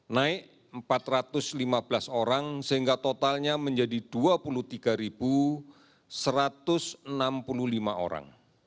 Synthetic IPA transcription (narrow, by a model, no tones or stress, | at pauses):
naɪk | əmpat̪rat̪ʊslimab̥əlasoɾaŋsəɦiŋɡat̪ot̪alɲaməɲd͡ʒadid̥uapuluht̪iɡ̥aɾib̥u | səɾat̪ʊsənampululimaʔo̰ɾa̰ŋ